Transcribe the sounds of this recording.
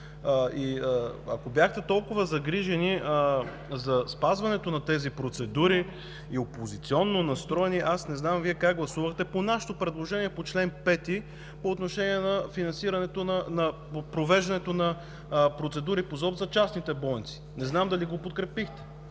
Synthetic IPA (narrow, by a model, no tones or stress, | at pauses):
iəɐ̰kobjaxt̪ɛt̪ɔlˠkʊvɐzɐɡɾiʒɛni | zɐspazvɐnɛt̪onɐt̪ɛzipɾot̪sɛd̪uɾi | iopozit̪siɔnːonɐst̪ɾɔɛniʔasnɛznamviɛkaɡɡlˠɐsuvəxt̪ɛponaʃɛ̥t̪opɾɛd̪lˠoʒɛniɛpot͡ʃlɛnpɛt̪i | poːt̪noʃɛniɛnɐfinɐnsiɾɐnɛt̪onɐnɐpopɾovɛʒd̪ɐnɛt̪onɐ | pɾot̪sɛd̪uɾipozɔbzɐt͡ʃasnit̪ɛbɔnit̪si̥nɛznamd̪ɐliɡopot̪kɾɛpixt̪ɛ̥